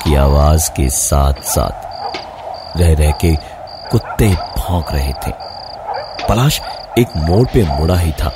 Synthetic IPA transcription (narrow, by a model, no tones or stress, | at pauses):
kia̰ːʋaːzkḛsa̰ːt̪ʰsa̰ːt̪ʰ | ɾɛɦɾɛɦke | kʊt̪ːebʱɔ̃ːkɾɐɦet̪ʰḛ̃ː | pɐlaːʃ | eːkmoːɽpemʊɽaɦit̪ʰa̰ː